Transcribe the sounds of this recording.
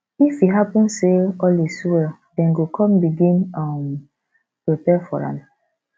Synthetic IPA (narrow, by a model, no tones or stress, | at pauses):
ifiɦapɔ̃nseɔliswɛdɛ̃nɡokɔ̃mbiɡĩnam | pɾipɛfɔɹa̰na